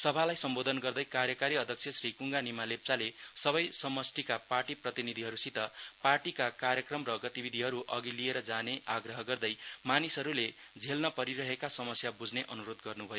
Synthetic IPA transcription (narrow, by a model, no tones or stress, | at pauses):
sʌbʱalajsʌmbod̪ʱʌnɡʌrd̪ʌjkaɾjʌkaɾiʌd̪ʱjʌk̚sʰesrikuŋɡanimalep̚t͡salesʌβʌjsʌmʌsʈʰikaparʈiprʌt̪inid̪ʱiɦʌɾusit̪ʌparʈikakaɾjʌkrʌmrʌɡʌt̪ibid̪ʱiɦʌɾuʔʌɡilieɾʌd͡zaneʔaɡrʌɦʌɡʌrd̪ʌjmanisʌɾule | d͡zʱelnʌpʌɾiɾʌɦekasʌmʌsjabud͡zneʔʌnuɾod̪ɡʌrnubʱʌjo